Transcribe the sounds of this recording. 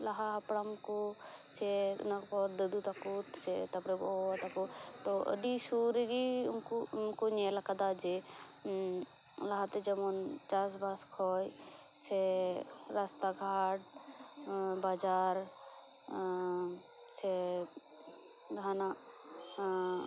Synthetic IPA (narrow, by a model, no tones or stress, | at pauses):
laɦaɦɐpɽamkosɛ̰nakpɔɾd̪əd̪ut̪akut̪set̪ɐpɾebɔat̪akut̪ɔə̰ɖisuɾeɡimkumkonɛlakad̪ad͡ʒe | laɦat̪ed͡ʒəmɔnt͡ʃas̬baskʰɔj | sɛ | ɾast̪aɡʱaʈ | bad͡ʒaɾ | se | ɡʱana